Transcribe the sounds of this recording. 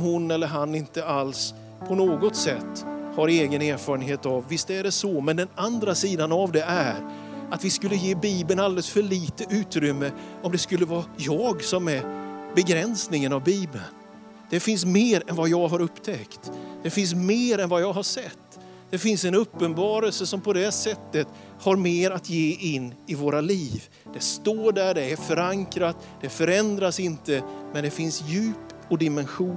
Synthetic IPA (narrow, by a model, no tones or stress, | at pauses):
mɦʊnɛlːəɾɦanːɪnt̪əals | pʰɔnoːɡɔt̪sɛt̪ːhaɾeːɡəneːɾfɑːɾənɦeːt̪avːɪst̪æɖɛsɔmɛnd̪ɛnand̪ɾasiːd̪anavd̪ɛʔæɾ | at̪vɪskɵlːəjeːbiːbənald̪ɛləsfœɭiːt̪əʔʉ̟ːt̪ɾʏmːəɔmd̪ɛskɵlːəvɑːjɑːɡsɔmɛbɛɡɾɛnsnɪŋənavbiːbən | d̪̥ɛfɪns̬meːɾɛnvajɑːɡɦaɾɵpːt̪ʰɛkt̪d̪̥ɛfɪns̬meːɾɛnvajɑːɡɦaʂɛt̪ː | d̪̥ɛfɪnsɛnɵpːənbɑːɾəlsəsɔmpʰɔd̪ɛsɛt̪ːət̪ | haɾmeːɾat̪ʰjeːʔɪnːɪvoːɾaliːv | d̪̥ɛst̪oːɖæɖɛæɾfœɾaŋkɾat̪ | d̪̥ɛfœɾɛnd̪ɾasɪnt̪əmɛnd̪ɛfɪnsjʉ̟ːpɔd̪ɪmɛnɧuː